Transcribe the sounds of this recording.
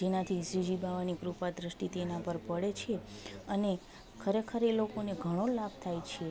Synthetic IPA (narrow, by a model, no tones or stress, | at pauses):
d͡ʒenat̪ʰisɾid͡ʒibaʋanikɾupad̪ɾəʃʈit̪enãpəɾpəɽet͡ʃʰeəne | kʰəɾekʰəɾelokoneɡʱəɽ̃olab̚t̪ʰajt͡ʃʰe